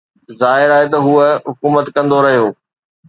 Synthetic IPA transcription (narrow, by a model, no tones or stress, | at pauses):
zaːɦɪɾaːɦet̪ɐɦuəɦʊkuːmət̪kɐ̃nd̪oɾɐɦijoː